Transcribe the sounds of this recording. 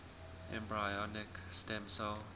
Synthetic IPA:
ʔɛ̰̃mbɹajɔnɪkstɛ̃msəl

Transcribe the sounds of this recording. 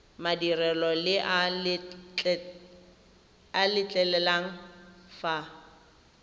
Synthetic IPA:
madirɛlɔlɪʔa | alɪt͡ɬʼɛlɛlaŋ̩fa

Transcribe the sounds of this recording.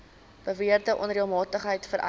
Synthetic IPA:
b̥əviərdəʔɔnɾiəmɑːtəχɦəjtfəɾʔɐ̰

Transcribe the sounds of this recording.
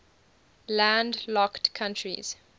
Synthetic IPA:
lãndlɔktkʰãntʰɹḭz̥

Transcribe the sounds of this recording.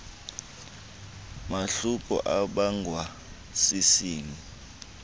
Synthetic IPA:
maɬukʼɔ̰ʔaɓaŋɡʱwa | sisiːŋi

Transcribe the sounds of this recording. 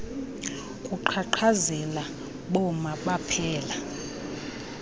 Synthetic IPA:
kʼuǃʰaǃʰazɛla | ɓɔmaɓapʰɛːla

